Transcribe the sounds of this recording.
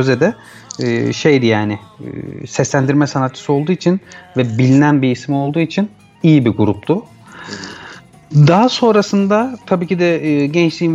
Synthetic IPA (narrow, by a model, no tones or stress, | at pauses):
ø̞zɛd̪ɛː | ʃe̞jd̪ijaːnɪ̰sɛslʲænd̪iɾmɛsanat̪̚t͡ʃʰso̞lˠd̪uːit͡ʃʰinvɛbilʲinænbiːsmio̞lˠd̪uːit͡ʃʰin | ijibiɡuɾup̚t̪ʊ | d̪aɦaso̞nɾasɯnd̪at̪ʰabiːcid̪ɛɟɛnt͡ʃlʲiin